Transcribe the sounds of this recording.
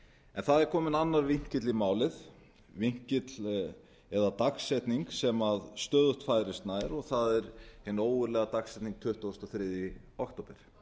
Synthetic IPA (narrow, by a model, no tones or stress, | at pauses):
ɛ̰nθaðɛɾkʰɔːmɪnanːaɾviɲ̥cɪt̪limaːwlɪð | viɲ̥cɪt̪l | ɛðat̪aksːɛt̪niŋksɛmaðst̪œːðʏht̪faːjɾɪst̪naɛɾɔɣθaðɛɾhɪnːoːwʏɾlɛːɣat̪aksːɛjt̪niŋk̚t̪ʰʏht̪owst̪ɔθɾɪðji | ɔkt̪ɔːpɪɾ̥